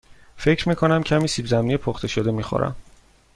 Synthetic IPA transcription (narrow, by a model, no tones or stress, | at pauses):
fe̞cʰɾmiːkʰonæmcʰæmiːsiːbzæmnijepʰoχt̪ʰe̞ʃod̪e̞miːxo̰ɾæ̰m